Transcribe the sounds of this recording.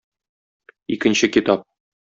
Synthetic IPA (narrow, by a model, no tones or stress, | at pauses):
ikɘ̆nɕɘkit̪ɑp̚